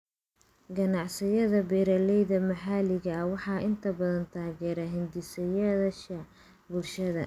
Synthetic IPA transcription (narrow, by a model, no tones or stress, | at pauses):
ɡɐnɑʕsɪjɐðɐbɛːɾɐlɛjðɐmɐħaːlɪɣɐɐwɑħɑːʔɪnt̪ʰɐbɐðɐnt̪ʰaːɣɛːɾɐɦɪnd̪ɪsɐjɐðɐʃɐ | bʊlʃɐðɐ̰